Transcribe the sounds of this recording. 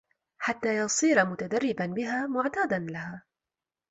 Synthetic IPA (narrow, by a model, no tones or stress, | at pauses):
ħat̪ːaːjɑsˤiːɾamʊt̪ad̪arˤːɪbanbɪɦaːmʊʕt̪aːd̪anlahaː